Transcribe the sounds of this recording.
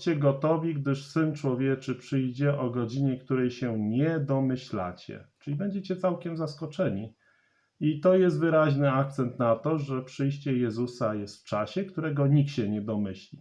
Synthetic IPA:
t͡ɕɛɡɔt̪ɔvʲiɡd̪ɘʂsɘnt͡ʂwɔvʲjɛt͡ʂɘpʂɘjd͡ʑɛʔɔɡɔd͡ʑiɲɛkt̪uɾɛjɕɛɲɛd̪ɔmɘɕla̰t͡ɕɛ̰t͡ʂɘlʲibɛɲd͡ʑɛt͡ɕɛt̪sawkʲɛmzaskɔt͡ʂɛɲi | it̪ɔjɛst̪vɘɾaʑnɘak̚t̪sɛnt̪nat̪ɔʐɛpʂɘjɕt͡ɕɛjɛzusajɛst̪ft͡ʂaɕɛkt̪uɾɛɡɔɲikɕɛɲɛd̪ɔmɘɕlʲi

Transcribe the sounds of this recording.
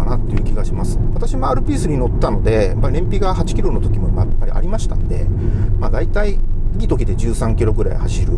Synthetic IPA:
anat̪ːe̞jɯ̟kʲiɡaɕimasɨ̥βat̪aɕimaaːɾɯ̟pʲiːsɨɲ̟ino̞t̪ːano̞d̪e̞japːaiɾẽ̞mpʲiɡaɦat͡ɕi̥kʲiɾo̞no̞t̪o̞kʲimo̞imajapːaɾʲḭʔa̰ɾʲimaɕi̥t̪a̰nd̪e̞̰mad̪ait̪ai | ɡʲit̪o̞kʲid̪e̞d͡ʑɨːsãŋkʲiɾo̞ɡɯ̟ɾa̰ihaɕiɾɯ̟

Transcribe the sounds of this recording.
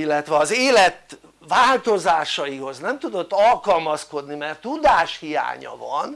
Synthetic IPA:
ilːɛt̪ʋɛɒzeːlɛt̪ | vaːlt̪o̞zaːʃɒjiɦo̞znɛmt̪ud̪o̞t̪ːɒlkɒlmɒsko̞d̪nimɛrt̪ːud̪aːʃhija̰ːɲɒ̰vɒn

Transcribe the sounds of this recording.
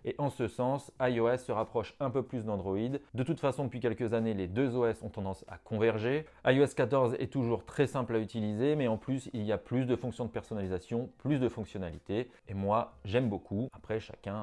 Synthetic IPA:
eʔɑ̃səsɑ̃sajoɛsːəʁapχɔʃɛ̃pøplysd̪ɑ̃d̪ʁɔid̪d̪ət̪ut̪fasɔ̃d̪əpɥikʲɛlkəzaneled̪øzoɛsɔ̃t̪ɑ̃d̪ɑ̃sa̰kʰɔ̃vɛʁʒe | ajoɛskat̪ɔʁzɛ̰t̪uʒuʁt̪χɛsɛ̃playt̪ilizemɛɑ̃plysilijaplys̬d̪əfɔ̃ŋksjɔ̃d̪əpɛʁsɔnalizasjɔ̃plysd̪əfɔ̃ksjɔnalit̪eː | mwaʒɛmbokʰuapχɛʃa̰kʲɛ̃

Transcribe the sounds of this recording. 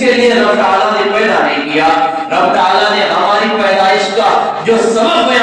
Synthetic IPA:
kelieɾɐbʈaːlanepɛːɽanẽĩkijaː | ɾɐbʈ̪aːlaneɦɐmaːɾipɛːd̪aːɪʃka | d͡ʒoːsɐbəbɐj

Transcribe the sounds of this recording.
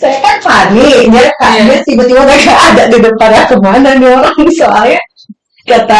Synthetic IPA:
saakanpaniɲakajaɲat̪ibat̪ibabakaːdaʔdidəpadakəmananioɾaŋisaaɲa | kat̪a

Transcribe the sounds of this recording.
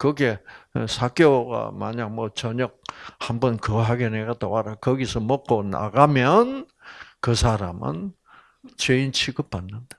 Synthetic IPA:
kɯɡe̞sʰak͈joɡa̰maɲak̚mʌt͡ɕʌɲʌk̚hambʌnkɯɦaɡeneɡat̪owaɾakʌɡisʰʌmok͈ona̰ɡamjʌn | kɯsʰaɾamɯ̰n | t͡ɕeint͡ɕʰiɡɯpanːɯnd̥a

